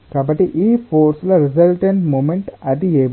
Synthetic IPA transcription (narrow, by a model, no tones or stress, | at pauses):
kɐbɐʈiʔiːfoːɾslɐɾɪzɐlʈẽɳʈmõːmẽɳʈæʈ̚d̪ieːb